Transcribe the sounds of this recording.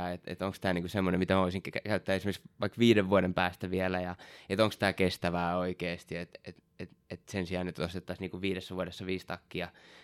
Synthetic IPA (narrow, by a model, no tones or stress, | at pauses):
ɑet̪ḛt̪oŋkst̪æːniːŋkusemːonemit̪æmæoisiŋkkækæyt̪ːæːesimerksʋɑikʋiːɾeʋʋuodempæːst̪æʋielæjɑet̪oŋkst̪ækest̪æʋæːoikeːst̪iet̪et̪ | et̪et̪sensiɑːnyt̪ost̪et̪ːɑsniːŋkuʋʋiːɾesːæʋuoɾesːɑʋiːst̪ɑkːiɑ